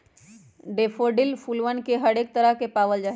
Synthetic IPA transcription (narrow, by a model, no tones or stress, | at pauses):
ɖepʰoɖilpʰulʋənkeɦəɽek̚t̪əɾəɦkepaːʋəld͡ʒaɦ